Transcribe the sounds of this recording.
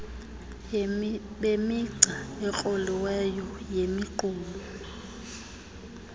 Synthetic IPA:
bemɪǀaɛk͡xʼɔlɪwɛjɔjemiǃʊːmɔ

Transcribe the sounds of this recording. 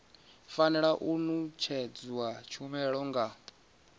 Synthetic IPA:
fanɛɺaʔunut͡ʃʰɛd͡zwat͡ʃʰumɛɺɔŋɡa

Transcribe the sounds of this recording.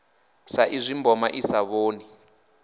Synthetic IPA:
saʔizʷimbɔmaʔisaβoːni

